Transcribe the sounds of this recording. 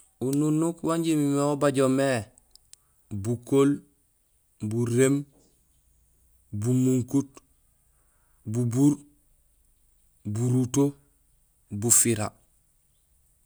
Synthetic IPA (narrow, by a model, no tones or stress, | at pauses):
ununːukwaɲɟimimeobaɟome | bukol | buɾem | bumuŋkut | bubuɾ | buɾuto | bufiɾa̰